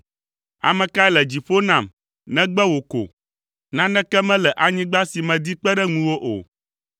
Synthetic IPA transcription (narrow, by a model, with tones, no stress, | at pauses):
a̰˨mɛ̃˨ka˦ɛ˦lɛ˨d͡ʑi˨fo˦nã˨m | nɛ̃˦ɡ͡bɛ˦wo˨ko̰˨ | nã˦nɛ̃˦kɛ˦mɛ̃˦lɛ˨ʔa˨ɲĩ˦ɡ͡ba˦si˨mɛ̃˨d̪i˦k͡pɛ˦ɖɛ˦ŋũ˦wo˦ʔo̰˨